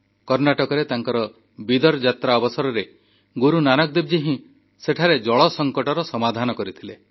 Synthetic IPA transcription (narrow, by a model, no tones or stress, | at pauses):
kɔɾnaʈɔkɔɾet̪aŋkɔɾɔ | bid̪ɔɾd͡ʒat̪ɾaɔbɔsɔɾɔɾe | ɡuɾunanɔk̚d̪ib̚d͡ʒiɦĩ | seʈʰaɾed͡ʒɔɭɔsɔŋkɔʈɔɾɔsɔmad̪ʱanɔkɔɾit̪ʰile